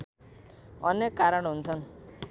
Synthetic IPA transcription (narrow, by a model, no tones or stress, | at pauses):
ʌnjekːaɾʌɳɦunt͡sʰʌn